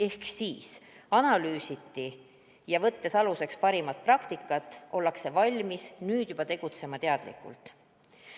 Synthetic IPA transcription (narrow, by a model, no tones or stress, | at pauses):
e̞hksiːsɑnɑlyːsit̪ːi | jɑvɤt̪ːe̞sɑluse̞kspɑɾimɑt̪̚prɑkt̪ikːˑɑt̪ːˑʔo̞lːɑkse̞vɑlʲmisnyːd̪̥jub̥ɑt̪e̞ɡ̥ut̪se̞mɑt̪e̞ɑd̪̥lḭkːˑṵlt̪